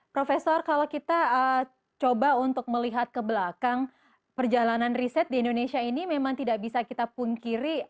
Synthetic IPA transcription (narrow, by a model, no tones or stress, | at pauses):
pɾofesɔrkalowkit̪aə | t͡ʃobaunt̪ʊk̚məliɦat̪̚kəbəlakaŋ | pərd͡ʒalananrisɛt̪̚diːndonesiainimemaŋt̪idaʔbisakit̪apuŋkiɾi